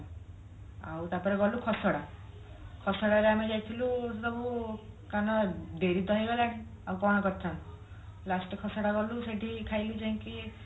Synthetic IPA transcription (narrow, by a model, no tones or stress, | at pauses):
a̰wt̪apɔɾeɡɔlukʰɔsɔɽa | kʰɔsɔɽaɾeamed͡ʒajt̪ʰilusɔbukanɔɖeɾid̪ʱɔɦiɡɔlaɽ̃ĩ | awkɔ̃ɔkɔɾt̪ʰan | lasʈkʰɔsɔɽaɡɔluseʈikʰajlid͡ʒaĩŋki